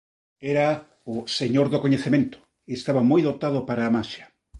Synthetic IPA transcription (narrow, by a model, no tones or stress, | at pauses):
eɾa | oseɲoɾðokoɲeθemẽnt̪ʊ̥ | iest̪aβamojðot̪aðʊpaɾaːmasjḁ